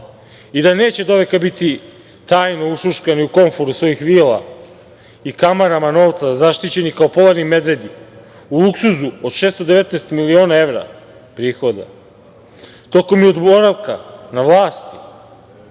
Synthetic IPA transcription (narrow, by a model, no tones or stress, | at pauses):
id̪aneːt͡ɕe̞d̪o̞ʋekabit̪i | t̪aːjnouʃuʃkaniuko̞ɱfoɾusʋo̞jixʋiːlˠa̰ | ikamaɾamano̞ːʋt̪sazaʃt̪it͡ɕe̞nikaopo̞laɾnime̞d̪ʋe̞d̪i | ulˠuksuzuod̪ʃeːst̪od̪e̞ʋe̞t̪neːst̪milio̞ːnae̞ʋɾa̰ | pɾiːxo̞d̪a̰ | t̪o̞ko̞miod̪bo̞ɾaʋkanaʋlˠaːst̪i̥